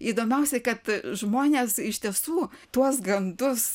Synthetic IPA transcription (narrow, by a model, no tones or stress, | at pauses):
iːd̪oːmʲɛʊsʲɛkɐt̪ʒmoːnʲeːsɪʃʲt̪ʲiɛsuːt̪uɔsɡɐnd̪ʊs